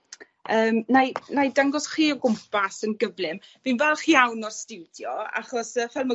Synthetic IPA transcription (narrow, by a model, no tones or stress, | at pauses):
əːmnajnajdaŋɡɔsχiːɔɡʊmpʰasənɡəvlˠɨmvinvɛlˠχiawnɔrstɪwdjɔa̰χɔsəvɛlˠma